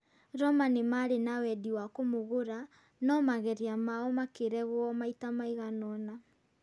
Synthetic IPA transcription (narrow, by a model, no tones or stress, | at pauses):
ɾɔmanimaɾenawɛdiwakomoɣoɾa | nɔmaɣɛɾiamaɔmakeɾɛɣwɔmaitamaiɣanɔna